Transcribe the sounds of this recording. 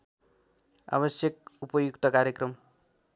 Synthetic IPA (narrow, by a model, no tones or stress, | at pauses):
a̰βʌsjʌk̚upʌjukt̪ʌkaɾjekrʌm